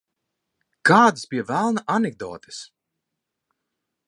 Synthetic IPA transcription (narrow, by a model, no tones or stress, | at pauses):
kaːd̪ɨspijɛvælˠnaʔaneɡ̚d̪ɔ̰ːt̪ɨ̥s